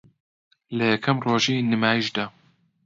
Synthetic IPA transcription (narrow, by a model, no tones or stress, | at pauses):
lɐjɛkʰɐmroːʒiːnɨmaːjiʃd̪aː